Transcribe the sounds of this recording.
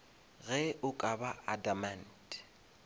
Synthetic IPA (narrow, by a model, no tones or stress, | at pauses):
ɣɛʔʊkʼabaadaman̩t